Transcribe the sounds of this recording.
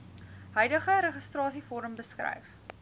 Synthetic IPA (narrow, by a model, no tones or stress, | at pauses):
ɦœjdəχəɾəχəstrɑːsifɔɾəmbəskrɛ̰jf